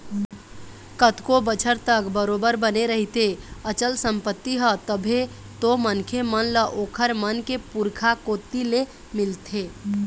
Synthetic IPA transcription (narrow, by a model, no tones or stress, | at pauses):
kət̪kobət͡ʃʰəɾt̪əkbəɾobəɾbəneɾəɦit̪eət͡ʃəlsə̃mpət̪ːiɦət̪əbʱe | t̪omənkʰemənləʔoːkʰəɾmənkepuɾkʰakoːt̪ːile | mɪlt̪ʰeː